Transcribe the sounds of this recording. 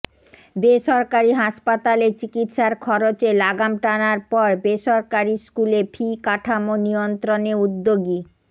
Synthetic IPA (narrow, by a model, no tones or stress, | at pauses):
beʃɔɾkaɾiɦaʃpat̪alet͡ɕikit̪ʃaɾkʰɔɾot͡ɕelaɡamʈanaɾpɔɾbeʃɔɾkaɾiskulepʰikaʈʰamonijont̪ɾoneud̪ːoɡi